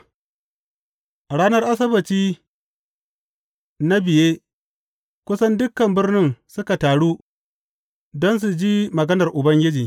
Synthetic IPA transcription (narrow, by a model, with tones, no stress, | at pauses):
ʔɽaː˦nɐ˦rʔa˦s̬ɐ˦bɐ˨tiː˦ | na˦bɪ˨jeː˦ | kʷʊ˦sɐ˦ndʊ˦kːɐ˨mbɪ˦rnɪ˦nsʊ˦ka˨taː˨ɽu˦ | dɔ˦ns̬u˨d͡ʒiː˦mɐ˨ɡɐ˦nɐ˨rʔʊ˨bɐ˦ŋɡʲɪ˦d͡ʒiː˨